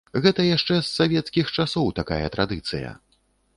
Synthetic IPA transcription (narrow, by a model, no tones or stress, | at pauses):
ɣɛt̪ɐjaʂt͡ʂɛsːavʲɛt̪skʲixt͡ʂasɔwt̪akajɐ̰t̪ɾad̪ɨt̪sɨjɐ̰